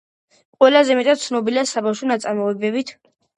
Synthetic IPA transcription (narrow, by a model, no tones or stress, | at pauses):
qʼwɛlazɛmɛt̪ʼad̪̚t̪sʰnɔbiliasabafʃɔnat̪sʼaɾmɔɛbɛbit̪ʰ